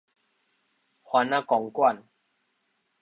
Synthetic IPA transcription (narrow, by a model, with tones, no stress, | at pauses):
hwa˧nã˦kɔ˨ŋkwa˥˨n